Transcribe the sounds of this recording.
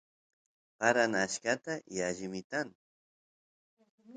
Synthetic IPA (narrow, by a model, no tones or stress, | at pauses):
paɾanaʃkat̪ajaʒɪmɪt̪an